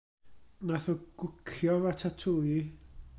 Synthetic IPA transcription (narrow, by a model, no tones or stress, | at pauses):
naθɔɡ̥ʊkʰjɔvatʰatʰʊli